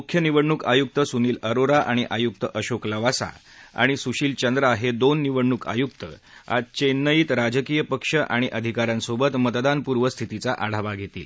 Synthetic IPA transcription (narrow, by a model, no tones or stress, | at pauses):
ukʰjəniʋəɽɳukajuk̚t̪əsuniːləɾoɾaʔaɽ̃iʔajuk̚t̪əʔəɕokləʋasa̰ | a̰ɽ̃isuɕiːlt͡ɕənd̪ɾəaɦed̪onːiʋəɽɳːuka̰juk̚t̪ə̰ | a̰t͡ɕenːəjiːt̪ɾad͡ʑəkijəpəkʂəʔaɽ̃iʔəd̪ʱikaɾansobət̪mət̪d̪anpuɾʋəst̪ʰit̪it͡saʔaɽ̤aʋaɡʱet̪ḭːl